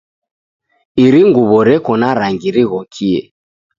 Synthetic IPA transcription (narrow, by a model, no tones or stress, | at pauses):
iɾiŋɡuβɔɾɛkɔnaɾaŋɡiɾiɣɔkʰiɛ̰